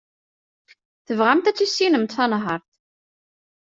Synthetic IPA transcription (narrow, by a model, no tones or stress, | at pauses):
θəvʁamt̪æt͡sːisːinəmt̪θɑnaɦɑɾθ